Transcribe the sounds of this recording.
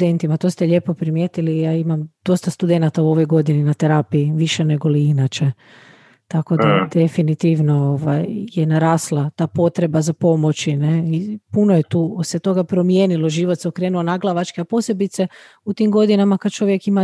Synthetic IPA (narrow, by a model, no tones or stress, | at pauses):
d̪ent̪imat̪oːst̪eʎe̞po̞pɾimje̞ːt̪ilijaimamd̪̥o̞st̪ast̪ud̪e̞nat̪auo̞ʋo̞jɡo̞d̪ininat̪eɾapijiʋiʃeneɡo̞liinat͡ʃe | t̪ako̞d̪ad̪efinit̪iʋno̞oʋa̰jjenaɾaːslˠat̪aːpo̞t̪ɾe̞bazapo̞mo̞t͡ʃineipunojet̪uːset̪o̞ɡapɾo̞mjeːniloʒiʋot̪seokɾe̞ːnuonaɡlˠaʋat͡ʃkeapo̞se̞bit̪se | ut̪imɡo̞d̪inamakad̪̚t͡ʃo̞ʋje̞kima